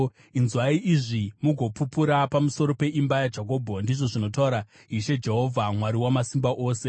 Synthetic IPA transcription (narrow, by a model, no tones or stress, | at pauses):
inzwaiʔiʐimuɡʱo̞pupuɾapamuso̞ɾo̞pe̞ʔimbajad͡ʒako̞ːbʱondiʐo̞ʐino̞tauɾa | ɦiʃe̞d͡ʒe̞ɦo̞vʱamwaɾiwamasimbaʔoːse̞